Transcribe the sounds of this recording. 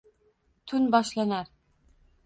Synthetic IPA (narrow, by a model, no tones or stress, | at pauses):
t̪ʰʊnbɒʃlanaɾ